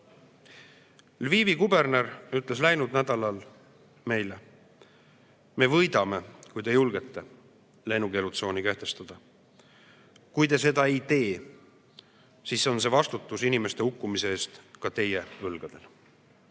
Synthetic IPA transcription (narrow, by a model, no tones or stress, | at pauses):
lviːvikube̞rne̞ɾyt̪ˑle̞slæjnud̪̥næd̪̥ɑlɑl | me̞jle | me̞vɤjd̪ɑme̞kujd̪e̞julɡ̥e̞t̪ːe̞ | lejnuke̞ːlut̪so̞ːnike̞ht̪e̞st̪ɑd̪̥ɑ | kujt̪e̞s̬e̞d̪ɑeejt̪e̞ː | siso̞nse̞vɑst̪ut̪ːˑusinime̞st̪e̞ukːumise̞eːst̪kɑt̪e̞je̞ɤlɡ̥ɑd̪̥e̞l